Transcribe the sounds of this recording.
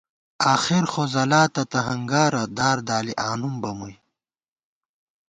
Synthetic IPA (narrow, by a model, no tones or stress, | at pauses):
aːxiɾxozɐlaːt̪ɐt̪ɐɦɐŋɡaːɾɐd̪aːɾd̪aːliʔaːnumbɐmuj